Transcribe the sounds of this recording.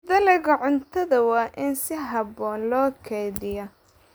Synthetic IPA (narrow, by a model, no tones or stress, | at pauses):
d̪ɐlɛɣɐʕʊnt̪ʰɐðɐwɑːʔɪnsɪɦɐbɔːnlɔːkʰɛːðɪjɔ